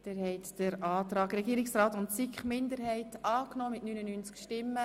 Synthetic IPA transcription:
d̥ɛːhɛt̪d̥əɾʔɑːt̪ɾɑːɡɾɛɡiːɾɪksraːtʊntsikχmɪnd̪əɾhɛɪtɑːknɔːmɪtnynənynt͡skʃtɪmːə

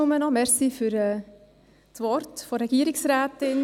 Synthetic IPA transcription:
ʊmənɔmɛɾsifyɾɛː | tʋɔɾtfɔɾɛɡ̥iəɾɪksɾæːtɪn

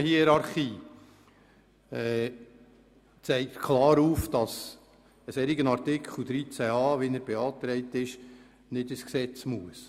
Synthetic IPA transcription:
hiɛɾɑɾχiː | ɛ | t͡sɛɪktkʰlɑːɾuːfd̥ɑs | əsɛɾiɡənɑɾtɪkʰl̩d̪ɾit͡sæɑːʋinəɾbɛɑːt̪ɾɛɪt̪ɪʃ | nɪdəsksɛt͡smuəs

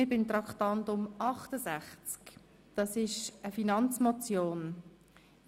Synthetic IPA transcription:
ɪb̥ɪnt̪ɾɑkχtɑntʊmɑχtəzæχt͡sk | d̥ɑsɪʃəfinɑnt͡smɔt͡sjoːn

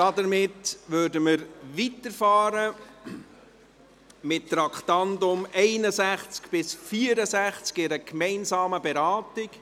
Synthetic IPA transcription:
d̥ɑdəɾmɪtʋøːɾdəməɾʋitəɾfɑːɾə | mɪttɾɑkχtɑndʊmɛɪnəsæχt͡skb̥ɪsfiəɾəsæχt͡skɪɾəkmɛɪnsɑːməbɛɾɑːtɪk

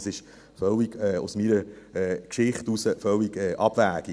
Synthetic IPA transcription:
sɪʃ | fœlːiɡɛːṵsmiɾəɛːkʃɪχtusəfœlːiɡɛːʔɑb̥væːɡ̥i

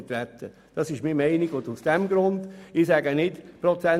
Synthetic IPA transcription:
t̪ɾɛt̪ʰːə | d̥ɑsɪʃmimɛɪniɡ̥ʊdusd̥ɛmɡɾʊndɪsæɡənɪtpɾɔt͡sɛ

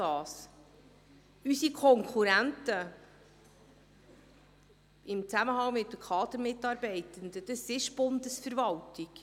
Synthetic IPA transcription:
ɑːs | ysikʰɔŋkʰuɾæntə | ɪmt͡sæməɦɑŋmɪtːəkʰɑːd̪əɾmɪtːɑːɾbɛɪt̪ənd̪əd̥̪əsɪʃb̥ʊnd̪əsfəɾvɑltik

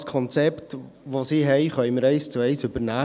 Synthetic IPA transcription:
skʰɔnt͡sɛpt | ʋosiːɦɛjχœɥməɾɛɪst͡suɛɪsɵbəɾnæː

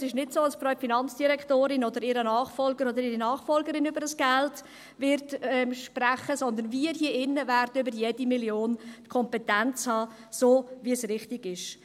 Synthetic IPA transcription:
sɪʃnɪtsoːɑlsprœʏfinɑnt͡sd̥iɾɛktoːɾɪnɔd̪əɾɪːɾənɑːχfɔlɡəɾod̪əɾiːɾinɑːχfɔlɡəɾɪnybəɾəsɡ̥ɛlt | vɪɾtɛʃprɛχəsɔnd̪ənviːɾhiːɪnːəvɛrdənybəɾjedimiljoːntkʰɔmpɛtɛnt͡shɑː | soːviəsrɪχtɪɡɪʃ

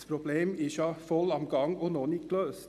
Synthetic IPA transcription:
pʰɾʊbleːmɪʃɑfɔlɑmɡɑŋɔnoːnikʰløːs

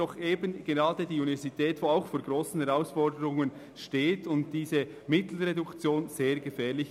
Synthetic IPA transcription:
ɔχʔeːbənɡ̥eʁɑːdədiːunivɛɐzitʰɛːtvʋoːaʊxfoːɡ̥ʁoːsn̩hɛʁaʊsfɔɾdəɾʊŋən | ʃteːtʰʊnt̚d̥iːzə | mɪtl̩ʁedʊkt͡sjoːnz̥eːɾɡəfɛːɾlɪç

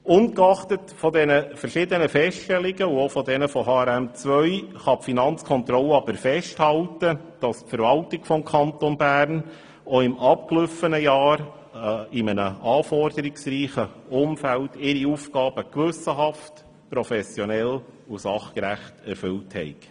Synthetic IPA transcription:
ʊnkɑχtətfɔdɛnəfəɾʃɪdənəfɛstʃtɛlɪɡəuofɔdɛnəfɔhɑːɛɾæmt͡sʋœʏχɑpfinɑnt͡skʰɔnt̪ɾɔləɑb̥əɾfɛʃthɑltə | d̥ɑspfəɾʋɑltɪɡ̥fɔmkʰɑntonbæːɾn | oɪmʔɑp̚klʏfənəjɑːɾ | ɪmənəɑːfɔrdəɾɪksɾiːχəʊmfæltɪɾiuːfɡɑːb̥əkʋʏsəɦɑft | pɾɔfɛsjɔnɛlusɑχkɾæχtɛɾfʏlthɛ̰ɪk

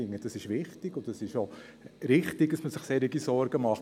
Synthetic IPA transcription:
ɪŋːəd̥ɑsɪʃʋɪχtɪɡ̥ʊtd̥ɑsɪʃo | ɾɪχtɪɡ̚d̥ɑsməsɪχseːɾyɡisɔɾɡ̥əmɑχ

